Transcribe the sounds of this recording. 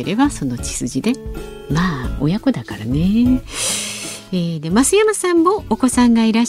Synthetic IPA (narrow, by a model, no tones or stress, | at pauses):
eɾe̞baso̞no̞t͡ɕi̥sɨʑid̪e̞ | maːo̞̰jako̞d̪akaɾane̞ | eːd̪e̞masɨjamasãmːo̞ːko̞sãŋɡaiɾaɕ